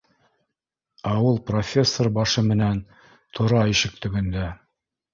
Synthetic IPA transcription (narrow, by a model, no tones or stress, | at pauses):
ɑwɤlˠprofʲesːorbɑʃɤmɘ̆næn | t̪ʰŏɾɑiʃɘk̚t̪ɵ̆ɡɘ̆nd̪æ